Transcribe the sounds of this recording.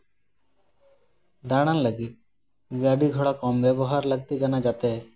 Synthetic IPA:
d̪aɽ̃anlaɡit̪̚ | ɡaɖiɡʱɔɽakɔmbɛbɔɦaɾlaɡ̚t̪iɡanad͡ʒat̪e

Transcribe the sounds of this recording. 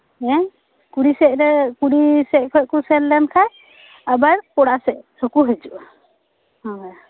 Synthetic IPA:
ɛ̃ | kuɽisɛʔ̚ɾɛkuɽisɛʔ̚kʰɔkusɛlːankʰaj | abaɾpɔɽasɛʔsokuɦed͡ʒuʔa | hɔj

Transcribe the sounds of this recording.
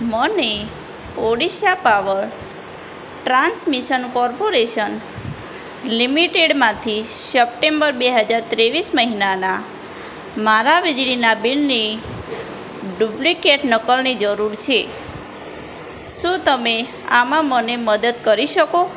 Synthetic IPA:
məne | oɽiʃapaʋəɾ | ʈɾansmiʃənkɔɾpoɾeʃən | limiʈeɽmãt̪ʰisəp̚ʈembəɾbeɦəd͡ʒaɾt̪ɾeʋisməɦinana | maɾaʋid͡ʒɽinabilni | ɖublikeʈnəkəlnid͡ʒəɾuɾt͡ʃʰe | ʃũt̪əme | amãməneməd̪əd̪kəɾiʃəko

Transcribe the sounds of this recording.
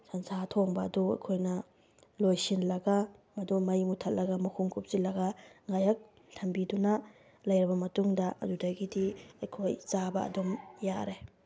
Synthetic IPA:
sɐnsatʰoŋbɐ̰ːduɐ̰jkʰojnɐ | lojsinlɐɡɐmɐdumɐjmutʰɐt̚lɐɡɐmɐkʰuŋkʰup̚silɐɡɐŋajɐk̚ | lʰɐmbidunɐ | lɐjɾibɐmɐtuŋdɐʔɐ̰dudɐɡidiɐjkʰojt͡ʃabɐɐ̰dumjaɾe

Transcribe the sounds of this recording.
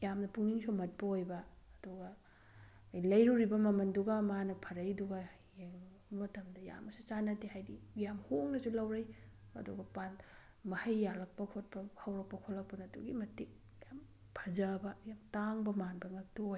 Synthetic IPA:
jamnɐpuŋniŋsumɐt̚pɐojbɐːduɡɐ | jlɐjɾuɾibɐmɐmɐnduɡɐmanɐpʰɐɾɐjduɡɐ | mɐtɐmdɐja̰mɐsut͡ʃanɐtihajdijamhoŋnɐsulɐwɾɐj | ɐ̰duɡɐpan | mɐhɐjːalɐk̚pɐkʰot̚pɐhɐwɾɐk̚pɐkʰolːɐk̚pɐnɐdṵɡimɐtik̚ | jam | pʰɐzɐbɐjamtaŋbɐmanbɐŋɐtooj

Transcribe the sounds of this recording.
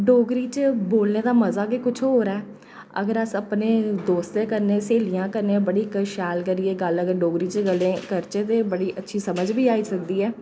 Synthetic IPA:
ɖoːɡɾiːt͡ʃəboːlneːd̪aːməzaːɡeːkʊt͡ʃʰɦoːɾaːɛː | ə̰ɡəɾəsəpneːd̪oːst̪eːkəɾneːseːlijãːkəɾneːbəɽiːkəʃɛːlkəɾiːeːɡələɡəɾɖoːɡɾiːt͡ʃɡəlẽːkəɾt͡ʃeːt̪eːbəɽiːʔətːʃʰiːsəməd͡ʒbiːaːiːsək̚d̪iːɛː

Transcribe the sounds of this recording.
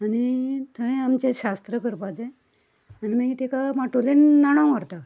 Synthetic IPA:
anit̪ʰəẽamt͡ɕeɕast̪ɾəkəɾpad͡ze | animẽɡt̪ekamaʈulenːaɽ̃ãmaɾt̪a

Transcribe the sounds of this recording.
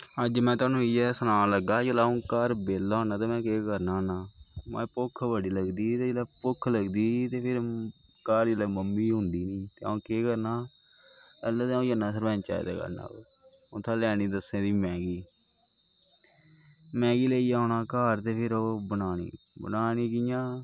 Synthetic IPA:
əd͡ʒmɛ̃ːt̪ʊwaːnũːɪjɛːsənãːləɡaːd͡ʒəlaːõːkaːɾbeːlːaːɦõːnaːt̪eːmɛ̃ːkeːkəɾnaːnaːmɛ̰̃ːpʊkʰʋəɽiːləɡd̪iːt̪eːd͡ʒəlɛːpʊkʰləɡd̪iːt̪eːpʰɪɾ | kaːɾd͡ʒəlɛːməmːiːɦʊ̃nd̪iːniːt̪eːã̰ːkeːkəɾnaː | əlaːt̪ːaõːjaːnaːsəɾʋɛ̃ːnt͡ʃa̰ːḭːd̪a̰ːkə̰ɾna̰ː | ʊt̪ʰãːlɛːniːd̪əsẽːd̪iːmɛ̃ːɡiː | mɛ̃ːɡiːleiːaːnaːkaːɾt̪eːpʰɪɾoːbənaːnḭː | bə̰naːniːkɪjãː

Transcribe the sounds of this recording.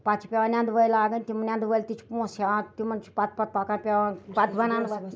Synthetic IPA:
pat͡ʃʰipʲeʋanʲjãnd̪ʋəjlaːɡənʲt̪imɐnjãnd̪ʋəjlt̪it͡ʃʰi̥põsãt̪imənt͡ʃʰi̥pat̪̚pat̪̚pakapʲeʋapat̪bɐnãn

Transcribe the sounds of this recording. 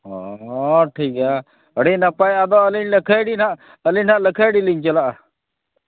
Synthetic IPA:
ɔ | ʈʰika | əɽinapajad̪ɔəliɲləkʰəjɽinaʔ | əliɲnaʔləkʰəjɽiliɲt͡ʃəlaʔa

